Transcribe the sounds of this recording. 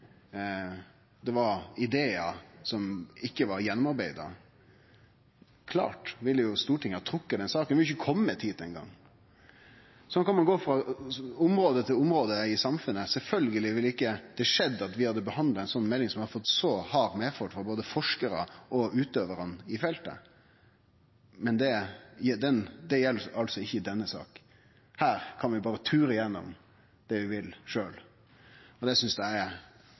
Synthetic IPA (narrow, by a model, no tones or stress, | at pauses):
d̪ɛʋɑɾɪd̪eːɑsɔmɪkːəʋɑɾjɛnːʊmɑɾbæɪd̪ɑ̰ | kʰlɑ̰ːʈʋɪlːəjʊst̪uːʈʰɪŋːəɑt̪ʰɾʊkːəd̪ɛnsɑːkənʋɪljʊçəkʰɔmːət̪ʰiːd̪ɛnɡɑ̰ŋː | sɔnkɑnmɑnɡoːfɾɑʊmɾoːd̪ət̪ʰɪlʊmɾoːd̪əɪsɑmfʉnːəsɛlfœlɡəlɪʋɪlːəɪkːəd̪̥ɛʂɛd̪ːɑt̪ʋɪhɑd̪ːəbəhɑnd̪lɑæɛnsɔnːmɛlːɪŋsɔmʋɪhɑɾfɔt̪ːsɔhɑɾmeːfɔʈ̪fɑboːd̪əfɔʂkəɾə̰ʔɔʉːt̪øːʋəɾənɪfɛlt̪ə̰ | mɛnd̪ɛjɛd̪ɛnd̪ɛjɛlːəɑlsɔɪçːəd̪ɛnːəsɑ̰ːk | hæːɾkʰɑnʋɪbɑːɾət̪ʰʉːɾəɪjɛnːɔ̰m | d̪ɛʋɪʋɪlʂøːl | ɔd̪ɛsʏnsd̪ɛæ